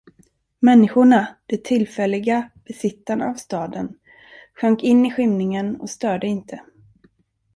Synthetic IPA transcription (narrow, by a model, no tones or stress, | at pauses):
mɛnːɪɧʊɳad̪̥ɛt̪ʰɪlːfɛlːɪɡab̥ɛsɪt̪ːanavst̪ɑːd̪ən | ɧœŋkɪnːɪɧɪmnɪŋənɔ̰st̪œːɖəɪnt̪ʰə